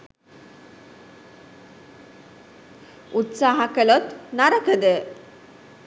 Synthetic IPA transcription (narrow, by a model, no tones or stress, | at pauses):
ut̪saːɦakəlot̪naɾəkəd̪e